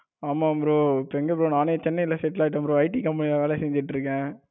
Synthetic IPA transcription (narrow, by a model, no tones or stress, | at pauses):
aːmaːɐpɾoːpːɛŋɡɐpɾoːnaːnet͡ʃɛnːɐɪlɐsɛʈːlaːʈ̬ːɯɐpɾõɐɪʈikɐmpɐnɪlʋeːlɛsɛɲd͡ʒɪʈːɾɯkːɛ̃ː